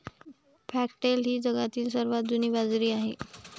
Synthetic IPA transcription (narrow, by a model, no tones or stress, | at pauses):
fʰæk̚ʈelɦiːd͡zəɡat̪iːls̬əɾʋat̪̚d͡zuniːbad͡zɾiːaɦe